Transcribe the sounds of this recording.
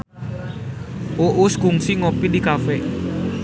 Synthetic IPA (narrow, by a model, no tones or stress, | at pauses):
ʔoʔuskuŋsiŋopidikafɛ